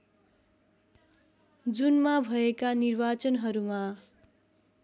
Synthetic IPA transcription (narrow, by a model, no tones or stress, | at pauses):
d͡zunmabʱʌekanirbat͡sʌnɦʌɾuma